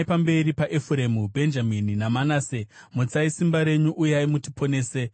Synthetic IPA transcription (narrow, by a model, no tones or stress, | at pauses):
ipambe̞ɾipaʔefuremubʱe̞nd͡ʒamininamanase | mut͡saisimbaɾe̞ɲuʔujaimuti̥po̞ne̞ːse̞